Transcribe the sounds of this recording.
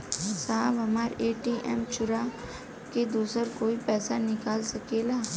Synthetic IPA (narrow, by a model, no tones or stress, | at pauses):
saːʋɐmaːɾeːʈiːʔɛ̰ːmt͡ʃʊɾa | ked̪uːsəɾkoːipɛːsanɪkaːlsəkeːlaː